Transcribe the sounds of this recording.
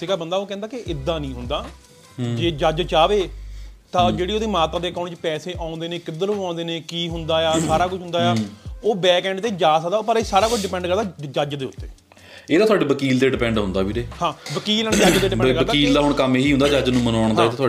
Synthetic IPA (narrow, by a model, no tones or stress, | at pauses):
siɡaːbənd̪aːoːkɛ̃ːnd̪aːkɪʔɪd̪ãːnĩːɦʊ̃nd̪aː | d͡ʒeːd͡ʒəd͡ʒt͡ʃaːʋeːt̪ãːd͡ʒeːɽiːoːd̪eːmaːt̪ɾaːd̪eːəkaːɳʈt͡ʃpɛːseːʔãːnd̪eːneːkɪd̪əɾoãːnd̪eːneːkiːɦʊnd̪aːjaːsaːɾaːkʊt͡ʃʰɦʊnd̪aːjaːoːbɛːkɛ̃ːɳɖt̪eːd͡ʒaːsəkd̪aːpəɾesaːɾaːkʊt͡ʃʰɖɪpɛ̃ːɳɖkəɾd̪aːd͡ʒəd͡ʒd̪eːʊt̪ːḛː | eːd̪aːt̪ʰwaːɖeːbəkiːld̪eːɖɪpɛ̃ːɳɖɦʊnd̪aːbiːɾeːhãːʋəkiːlənẽd͡ʒəd͡ʒd̪eːɖɪɛkəək̪aiːld̪aːɦʊɳ̃kəmeɦiːɦʊ̃nd̪aːd͡ʒəd͡ʒnũːmənaːɳd̪aːet̪at̪ʰoː